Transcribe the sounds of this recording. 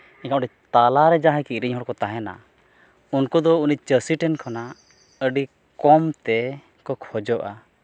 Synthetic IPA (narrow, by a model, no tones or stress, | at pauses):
ikãʔʈɛt̪alaɾɛd͡ʒaɦakiʔɾiɲɦɔɽkɔt̪aɦɛna̰ | unkɔd̪ɔunit͡ʃəsiʈɛnkʰana | əɖi | kɔmt̪ɛ | kɔkʰhɔd͡ʒɔʔa̰